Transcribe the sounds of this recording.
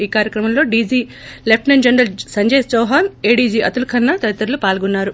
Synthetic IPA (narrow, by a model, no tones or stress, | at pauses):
iːkaːɾjɐkɾɐmɐmlo̞ːɖiːd͡ʒiː | lep̚ʰʈnɐnd͡ʒɐnɾɐlsɐɲd͡ʒeːsd͡ʒoːɦaːneːɖiːd͡ʒiːʔɐt̪ulukʰɐnːɐt̪ɐɐt̪ːɐɾɐlupaːlɡunːaːɾu